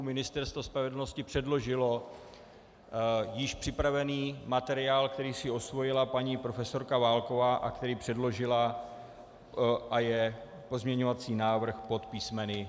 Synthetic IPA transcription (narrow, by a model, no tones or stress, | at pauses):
mɪnɪst̪ɛɾst̪vospɾavɛdl̩no̞scɪpr̝̥ɛdlo̞ʒɪlo̞ | jɪʃpr̝̥ɪpɾavɛniːmat̪ɛɾɪaːlkt̪ɛɾiːsɪo̞svo̞jɪlapaɲiːpɾo̞fɛso̞ɾkavaːlko̞vaːʔakt̪ɛɾiːpr̝̥ɛdlo̞ʒɪla | ʔajɛ | po̞zmɲɛɲo̞vat͡siːnaːvr̩xpo̞t̪piːsmɛnɪ